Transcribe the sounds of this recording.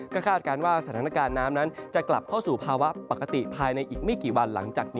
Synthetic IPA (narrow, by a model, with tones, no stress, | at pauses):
kɔː˥˩kʰaː˥˩t̪̚ka˧nwaː˥˩sa˧˦aː˨˦na˧kaː˧nːaː˦˥mna˦˥nt͡ɕa˨˩kla˨˩p̚kʰa˥˩wsuː˨˩pʰaː˧wa˦˥pa˨˩ka˧t̪ḭ˨˩pʰaː˧jna˧jʔiː˨˩k̚ma˥˩jkiː˨˩wa˧nla̰˩˦ŋt͡ɕaː˨˩k̚niː˦˥